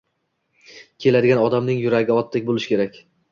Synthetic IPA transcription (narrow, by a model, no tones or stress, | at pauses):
kʲʰe̞lad̪ɪɡʲanɒd̪amnɪŋjʊɾaɡʲɪɒt̪ʰːɪk̚ʲbolˠɪʃkʲe̞ɾakʲ